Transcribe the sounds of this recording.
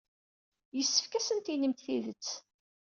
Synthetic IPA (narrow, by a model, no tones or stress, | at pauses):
jəsːə̥fkæsənt̪inəmt̪θiðət͡sː